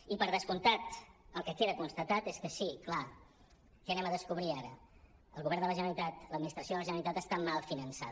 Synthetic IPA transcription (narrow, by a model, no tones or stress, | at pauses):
ipəɾðəskunt̪at̪əlˠkəkeðəkunst̪ət̪at̪eskəsikla | kɛənɛməðəskuβɾiaɾə | əlˠɣuβɛrnd̪ələʒənəɾit̪at̪ləd̪minist̪ɾəsjoðələʒənəlit̪at̪əst̪amalˠfinənsa̰